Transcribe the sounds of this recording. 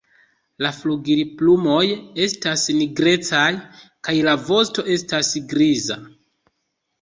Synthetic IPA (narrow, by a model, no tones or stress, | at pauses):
lafluɡiɾiplumo̞je̞stasniɡɾe̞t͡sajkajlavo̞sto̞ʔe̞stasɡɾiza